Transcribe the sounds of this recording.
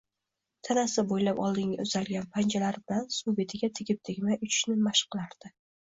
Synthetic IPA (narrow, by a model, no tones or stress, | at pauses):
t̪ʰanasɪbojlapɒ̰lˠd̪ɪŋʲa̰ʊz̥alɡʲanpʰand͡ʒʰalaɾbɪlansube̞t̪ʰɪɡʲat̪ʰɪɡʲɪp̚t̪ʰɪɡʲmajʔʊt͡ʃʰɪ̥ʃnɪmaʃqʰːɨlˠaɾd̪̥ɪ